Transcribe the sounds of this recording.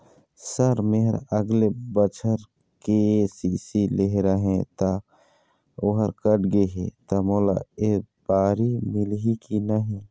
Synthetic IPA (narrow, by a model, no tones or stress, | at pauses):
səɾmeɦɾəɡlebət͡ʃʰəɾ | kesisileɦɾəɦẽt̪a | oɦəɾkəʈɡeɦet̪amoːla̰eb̥aːɾimɪlɦikinəɦĩ